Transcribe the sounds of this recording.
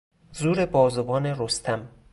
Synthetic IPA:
zuːɾebɒːzovɒːneɾost̪ʰæm

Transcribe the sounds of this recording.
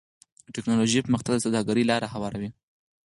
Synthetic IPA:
əʈɪknɑloʒepəməxt̪aɡd̪əsad̪ɑɡaɾəlɑɾahawɑɾawi

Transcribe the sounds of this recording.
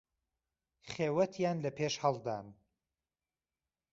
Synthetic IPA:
χeːwɐt̪ʰjaːnlɐpʰeːʃhɐlˠd̪a̰ːn

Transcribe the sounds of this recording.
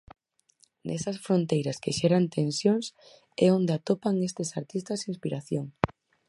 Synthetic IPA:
nʔɛ̰sɐsfɾont̪ejɾɐskeʃɛɾant̪ʰensjoŋs | ɛond̪eat̪opaŋest̪esaɾt̪ist̪ɐsinspiɾaθjoŋ

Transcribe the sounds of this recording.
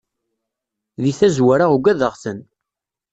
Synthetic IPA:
ðiθæzwæɾaʁuɡæðəʁθən

